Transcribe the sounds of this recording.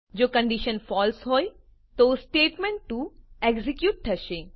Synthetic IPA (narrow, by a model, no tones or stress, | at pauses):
d͡ʒoːkɐ̃ɳɖiʃənfɔːlsɦoːj | t̪oːsʈeːʈmẽɳʈːueɡzikjuːʈ̚ʈ̪ʰːɐʃẽ